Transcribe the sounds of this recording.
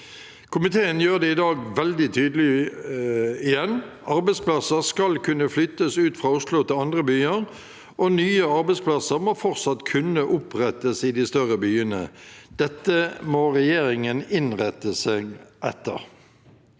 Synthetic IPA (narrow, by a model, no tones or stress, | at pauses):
kʰʊmɪt̪ʰeːənjøːʁd̪ɛɪd̪ɑːɡʋɛld̪ɪt̪ʰyːd̪əlɪ | ɪjɛnː | ɑʁbɛɪspʰlɑsəʁskɑlkʰʉnːəflʏt̪ːəsʉːt̪fʁɑːʊslʊt̪ɪlɑnd̪ʁəbyːəɾ | ʔɔnyːəɑɾbɛɪspʰlɑsəʁmoːfɔʁtsɑt̪ːkʰʉnəʔʊpʁɛt̪ːəsɪd̪ɪst̪œʁəbyːənə̰d̪̥ɛt̪ːəmoːʁɛjeːʁɪŋənɪnʁɛt̪ːəseːɡʔɛt̪ːə̰ʁ